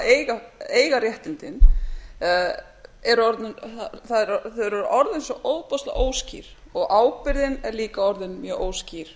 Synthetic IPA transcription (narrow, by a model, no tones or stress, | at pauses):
eːjɣaeːjɣarjɛht̪ɪnt̪ɪn | ɛɾɔɾt̪nʏnθaðɛɾθœðɾɛɾʔɔɾðɪnsɔʔoːwðpɔst̪la̰ʔoːwscḭːɾ̥ɔɣʔaːwpɪɾðɪnɛɾliːkaɔɾðɪnmjœʔoːwsciɾ̥